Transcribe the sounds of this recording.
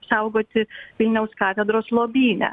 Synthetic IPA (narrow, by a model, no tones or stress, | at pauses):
psɐʊɡoːt̪ʲɪʋʲɪlʲnʲɛʊskɑːt̪ʲɛd̪ɾoːslˠoːbʲiːnʲɛ̰